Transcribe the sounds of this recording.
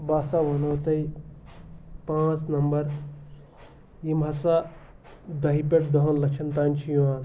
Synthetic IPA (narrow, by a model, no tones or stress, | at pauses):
baːsaʋɐnot̪ɐi | pãːt͡snɐmbɐɾ | imɦɐsa | d̪ɐɦipeʈ̚d̪ɐɦonlɐkt͡ʃʰɐnt̪aːnt͡ʃʰijuaːn